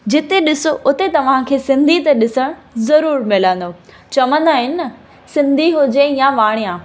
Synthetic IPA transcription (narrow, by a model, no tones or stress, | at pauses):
d͡ʑɪt̪eɗɪsoʔʊt̪et̪ɐʋ̤ãkʰeːsɪ̃nd̪ʱit̪ɐɗɪsəɽ̃zɐɾuːɾmɪlə̃nd̪o | t͡ɕɐʋə̃nd̪aɦɪnɪɐ | sɪ̃nd̪ʱiɦʊd͡ʑejãʋaːɽ̃ijãː